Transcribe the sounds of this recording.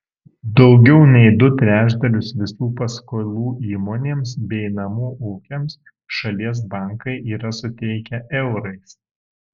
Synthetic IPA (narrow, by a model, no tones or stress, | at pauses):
d̪ɒʊɡʲɛʊnʲɛɪd̪ʊt̪ʲɾʲæːʒd̪ɐlʲʊsʋʲɪsuːpɐskolʲˠuːʔiːmoːnʲeːmsbʲɛɪnɐmuːʔuʊkʲɛms | ʃɐlʲiɛs̬bɑˑŋkɐɪʔiːɾɐsʊt̪ʲɛɪkʲɛʔɛʊɾɐɪs